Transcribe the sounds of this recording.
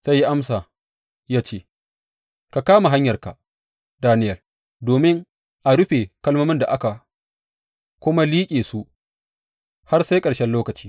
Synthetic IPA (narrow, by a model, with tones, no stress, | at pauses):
sa˦jːi˦ʔa˦msaː˨ | jaː˦t͡ʃeː˦˨ | ka˨kaː˦ma˨ɦa˦ɲjɐ˨rka˨ʔ | daː˦nɪ˦jɐ˨l | doː˨mɪ˦ŋ | ʔa˨ɽʊ˦ɸe˨kɐ˦lmoː˦mɪ˦nda˨ʔa˦ka˨ | kʷʊ˦ma˦liː˦kʲʼeː˨su˦ʔ | ha˦rsa˦jkʼɐ˨ɽʃɛ˦nloː˦kɐ˨t͡ʃiː˦